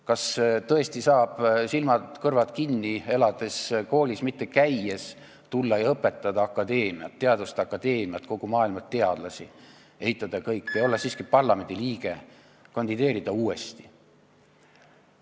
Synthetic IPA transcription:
kɑst̪ɤ̞e̞st̪isɑːb̥silmɑt̪kɤrvɑt̪kinːie̞lɑd̪̥e̞sko̞ːlʲismit̪ːe̞kæjːes | t̪ulːɑjɑɤpːe̞t̪ːˑɑd̪̥ɑɑkːˑɑd̪̥e̞ːmiɑ̰t̪ːe̞ɑd̪ust̪ɑkːˑɑd̪̥e̞ːmiɑt̪ko̞ɡ̥umɑːilmɑt̪t̪ːe̞ɑd̪̥lɑsi | e̞hit̪ˑːɑd̪̥ɑkɤjkːejo̞lːesiːskipɑrlɑme̞nʲd̪̥ʲiliːɡ̥e | kɑnʲd̪̥id̪e̞ːɾid̪̥ɑuːe̞st̪i̥

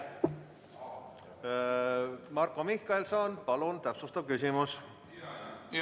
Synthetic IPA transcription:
mɑrkˑomihkɑelsɑːnpɑlunt̪æpsust̪ɑb̚kysʲimus

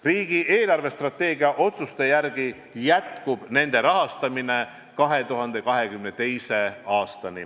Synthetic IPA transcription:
riːɡ̥iʔe̞ːlɑrve̞st̪rɑt̪ːˑe̞ːɡiɑʔo̞t̪sust̪e̞jærɡ̥i | jæt̪kub̥ne̞nd̪̥e̞ɾɑɦɑst̪ɑmine̞ | kɑɦe̞t̪uɦɑnd̪̥e̞kɑɦe̞kymne̞t̪e̞jse̞ɑːst̪ɑnḭ

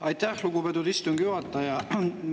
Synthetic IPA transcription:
ɑjt̪æhluɡ̥ubed̪ud̪ist̪uŋɡ̥juɑt̪ˑːɑjɑ

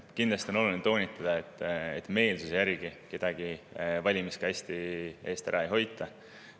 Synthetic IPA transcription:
kind̪lɑsʲt̪iono̞lulnint̪o̞ːnʲit̪ːˑɑd̪̥ɑe̞t̪ːˑḛt̪ːˑme̞ːlsusejærɡ̥ike̞d̪̥ɑɡ̥ivɑlʲimiskɑæsʲt̪ie̞ːst̪æɾɑejɦo̞jt̪ːˑɑ

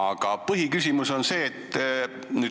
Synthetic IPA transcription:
ɑɡ̥ɑpɤɦikysʲimuso̞nse̞ːt̪ːˑ | nyː

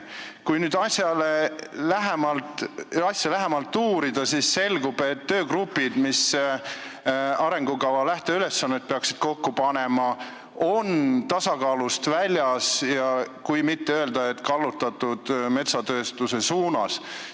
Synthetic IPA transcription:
kujnyːd̪̥ɑsʲjɑlelæɦemɑlt̪ˑɑsʲjɑlæɦemɑlt̪ːuːɾid̪̥ɑsisːe̞lɡ̥ub̥e̞t̪ːø̞ːkrupːˑid̪̥mis | ɑɾe̞ŋɡ̥ukɑvɑlæht̪eyle̞sːɑnːet̪̚peɑksi̥d̪̥ko̞kːupɑne̞mɑ | o̞nt̪ɑsɑkɑːlust̪vælʲjɑsjɑkujmit̪ːeø̞eld̪ɑet̪ːˑkɑlːut̪ːˑɑt̪ːˑud̪̥me̞t̪sɑt̪øːst̪use̞suːnɑs

